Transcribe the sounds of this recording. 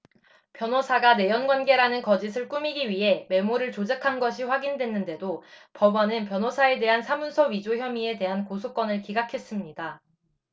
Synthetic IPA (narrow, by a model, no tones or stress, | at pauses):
pjʌnɦosʰaɡane̞jʌnɡwanɡe̞ɾanɯnkʌd͡ʑisʰɯɭk͈umiɡiɥiɦe̞me̞moɾɯɭt͡ɕod͡ʑekʰanɡʌɕ̬ʰiɸwaɡindwe̞nːɯnde̞dopʌbʌnɯnpjʌnɦosʰae̞de̞ɦansʰamunsʰʌɥid͡ʑoçjʌmie̞te̞ɦankosʰok͈wʌnɯɭkiɡakʰe̞s͈ɯmɲida